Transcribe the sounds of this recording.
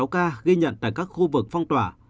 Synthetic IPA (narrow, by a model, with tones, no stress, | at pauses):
wkaː˧ɣi˧ɲə̰˧˨nt̪a̰ː˧˨jkaː˦˥k̚xu˧vɨ˨˩k̚fɔ˧wŋ͡mt̪waː˧˩